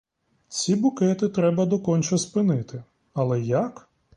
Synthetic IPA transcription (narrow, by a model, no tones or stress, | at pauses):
t͡sʲibʊkɛt̪ɪt̪ɾɛbɐd̪ɔkɔnʲt͡ʃɔspɪnɪt̪ɪ | ɐlˠɛjɐk